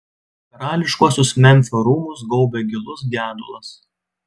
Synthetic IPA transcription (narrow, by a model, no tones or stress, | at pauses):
ɾɑːlʲɪʃkuɔsʲʊsmʲɛmʲfʲoːɾuːmʊs̬ɡɔʊbʲeɡʲɪlˠʊsɡʲæːd̪ʊ̰lˠɐs